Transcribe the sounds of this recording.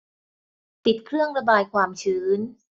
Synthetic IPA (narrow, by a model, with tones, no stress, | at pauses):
p̪i˨˩t̪̚kʰɾɯ˥˩əŋɾa˧baː˧jkʰwaː˧mt͡ɕʰɯː˩˦˥n